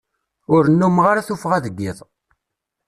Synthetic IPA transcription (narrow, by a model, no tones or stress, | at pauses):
ʊɾənːumʁaɾaθufʁæðəɡːiðˤ